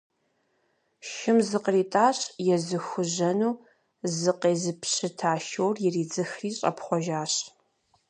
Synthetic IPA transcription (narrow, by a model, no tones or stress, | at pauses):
ʃɪmzɨqriːtʼaːɕjɛzɨxʷʊʒʑɐnuː | zɨqeːzɨpʰɕɨtʰaːʃowrjɪriːd͡zɨxriːɕʼɐ̰pχʷɔʒaːɕ